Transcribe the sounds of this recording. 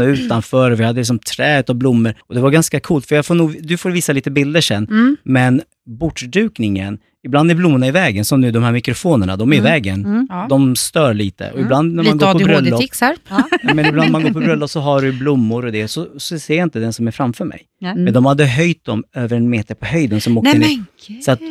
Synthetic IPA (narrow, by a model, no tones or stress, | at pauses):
ʉ̟ːt̪anfœːɾɔvɪhad̪əlɪksɔmt̪ʰɾɛːʉt̪avblʊmːəɾɔd̪ɛvaɾɡanskakʰuːlt̪fœjafoːnuːɡd̪ɵfoːɾviːsaliːt̪əbɪld̪əʂɛnmɛn | bʊʈːɖ̪ʉ̟ːknɪŋə̰n | ɪbland̪æɾblʊmːʊɳaɪvɛːɡənsɔmnʉːd̪ɔmhæːɾmɪkɾʊfoːnəɳa̰d̪ɔmæɾɪvɛːɡənd̪ɔmst̪œːɭiːt̪ə̰ʔɔɪbland̪næɾmnɡoːpɔbɾœlːɔ | mɛnblanmanɡoːpʰɔbɾœlːɔsɔɦaɖɵblʊmːʊɾɔd̪ɛsɔsɔsɛːɾjaɪnt̪əd̪ɛnsɔmæɾfɾamfœːmɛ̰j | mɛnd̪ɔmhad̪ːəɦœjt̪̚d̪ɔmøːvəɾɛnmeːt̪əɾpʰɔɦœjd̪ənsɔmoːənsɔat̪